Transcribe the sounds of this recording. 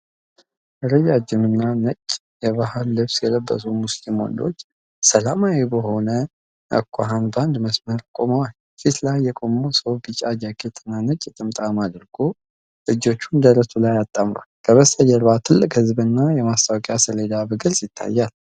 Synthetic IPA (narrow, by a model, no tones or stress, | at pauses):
ʔəɾəd͡ʒad͡ʒɨmɨnːanət͡ʃʼː | jɛβahəlːɨβsjɛləbːə̰sumuslimo̰nd̪o̞̰t͡ʃː | səlamawebəɦo̞nə | ʔə̰kʷʰːaɦanband̪məsməɾkʼo̞məwal | fit̪lajːɛkʼo̞mosəwbɨt͡ʃʼad͡ʒakʼet̪ʰɨnːanət͡ʃʼːɛt̪ʼɨmt̪ʼamad̪ɾɡ̥o | lɨd͡ʒo̞t͡ʃːund̪əɾəsulajat̪ʼːamɾa̰lkʰəβəst̪ʼəjːɛɾβat̪ʰɨlːɨkʼhɨzbɨnːajɛmast̪ʰʼawkʼjasəled̪abɨɡɨɾsɪt̪ʰːa̰jːal